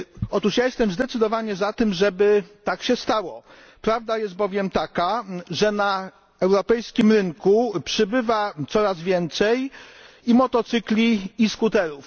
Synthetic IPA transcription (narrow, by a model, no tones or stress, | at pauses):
ɔt̪uʂjajɛst̪ɛmzd̪ɛt̪sɘd̪ɔvaɲɛzat̪ɘmʐɛbɘt̪akɕɛst̪awɔ | pɾavd̪ajɛst̪̚bɔvʲjɛmt̪akaʐɛna | ɛwɾɔpɛjskʲimɾɘŋkupʂɘbɘvat̪sɔɾazvʲjɛnt̪sɛj | imɔt̪ɔt̪sɘklʲiːskut̪ɛɾuf